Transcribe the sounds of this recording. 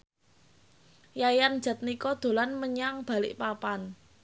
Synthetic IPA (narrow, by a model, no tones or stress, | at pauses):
jajand̥ʒ̥ä̤t̪̚nikɔd̪̥o̤lanməɲaŋb̥a̤lɪ̰ʔpapan